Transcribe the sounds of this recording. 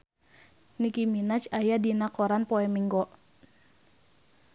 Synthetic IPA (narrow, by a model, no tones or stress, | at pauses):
nikiminat͡ʃajadinakɔɾanpɔɛmiŋɡɔʔ